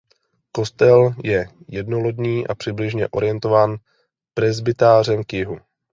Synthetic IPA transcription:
ko̞st̪ɛljɛ | jɛdno̞lodɲiːʔapr̝̥ɪblɪʒɲɛʔo̞ɾɪjɛnt̪o̞vaːn | pɾɛzbɪt̪aːr̝ɛmkjɪɦu

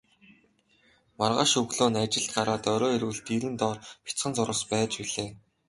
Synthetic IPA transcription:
marʁa̰ːʃɵɣɮoːnat͡ɕɪ̆ɬt̪̚ɢaɾaːt̪œɾɔːiɾwɘ̆ɬt̪iɾɘ̆nt̪ɔːrpʲi̥t͡sχə̆nt͡sʊɾə̆spæːt͡ɕpiɮeː

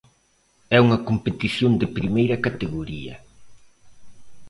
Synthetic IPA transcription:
ɛuŋɐkompet̪iθjond̪ɪpɾimejɾɐkat̪eɣoɾiɐ̰

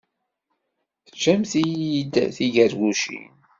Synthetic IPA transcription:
θət͡ʃːæmθijid̪θiʝəɾɡuʃḭn

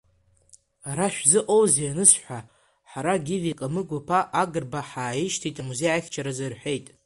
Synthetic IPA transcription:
ɾaʃᶣzɨʔʼowzianɨsħʷa | ħaɾaɡʲɪvikʼamɨɡʷapʰaʔaɡɨrbaħaːjiʃtʰitʼamuzejʕaχʲt͡ʃʰaɾazarħʷe̞jtʼ

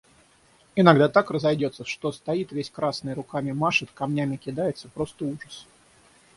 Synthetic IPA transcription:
ɪnɐɡd̪at̪akrəzɐjdʲo̞t̪səʂt̪o̞st̪ɐit̪vʲesʲkɾasnɨjɾʊkamʲɪmaʂɨt̪kɐmnʲæmʲɪkʲɪd̪ajɪt̪sə̥pɾo̞st̪əuʐəs

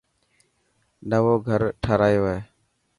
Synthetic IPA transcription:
nəʋoːɡʱəɾʈʰaːɾaːjoːeː

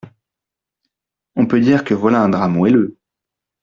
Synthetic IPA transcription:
ɔ̃pød̪iʁkəvwalaɛ̃d̪ʁamoelø

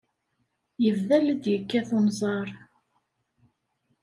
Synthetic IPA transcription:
jəvðæld̪jəkːæθonzˤɑɾˤ

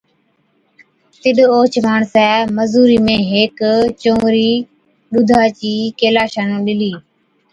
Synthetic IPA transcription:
t̪ɪɗoːt͡ʃbaːɳsɛːməzuːɾiːmẽːɦeːkt͡ʃõːɾiː | ɗʊd̪ʱaːt͡ʃiːkeːlaːʃaːnũːɗɪliː

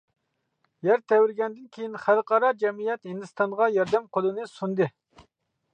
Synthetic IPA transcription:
jæɾt̪ʰɛwɪɾɡʲɛnd̪ɪnkʲʰejinχælqʰɑɾɑd͡ʒɛmijɛt̪hind̪ɨst̪ɑnʁɑjɑɾd̪ɛmqʰolˠɨnɨsund̪ɨ

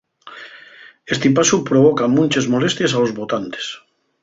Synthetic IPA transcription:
est̪epasupɾoβ̞okamũnt͡ʃezmolest̪jesalozβot̪ant̪e̥s

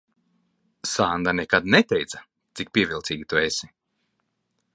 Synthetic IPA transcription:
saːnd̪anɛkad̪nɛt̪ɛjt̪sḁ | t̪sik̚pʲiɛvʲilˠt̪siːɡʲit̪uesi̥

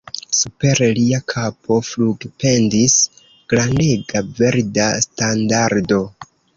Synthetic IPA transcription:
supe̞ɾliakʰapʰo̞fluɡpe̞ndis | ɡ̥ɾandeɡave̞ɾdastandaɾdo̞

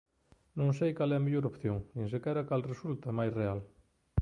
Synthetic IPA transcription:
nõŋsejkalɛmeʎoɾopθjoŋnĩŋs̬ekɛɾɐkalresult̪ɐmajsreal

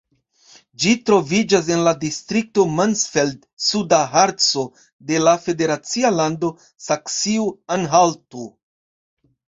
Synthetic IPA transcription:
d͡ʒitɾo̞vid͡ʒas̬e̞nladistɾik̚to̞mansfeld | sudaɦaɾt͡so̞ | de̞lafe̞de̞ɾat͡sialando̞ | saksiuanɦaltu

